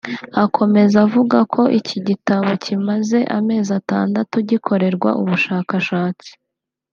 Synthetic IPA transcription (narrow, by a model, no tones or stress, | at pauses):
akʰo̞me̞zavuɡakʰo̞ʔiciɟitaβo̞cʰimaze̞ʔame̞ːzata̰ːndatuɟikʰo̞ɾe̞ɾɡwa̰ʔuβuʃaːkaʃaːt͡si̥